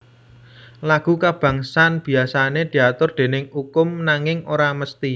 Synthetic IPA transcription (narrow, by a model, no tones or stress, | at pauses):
laɡ̥ṳkab̥a̤ŋsanb̥i̤asaned̪̥i̤at̪ʊrd̪̥e̤nɪŋukʊmnaŋɪŋʔoɾaməst̪i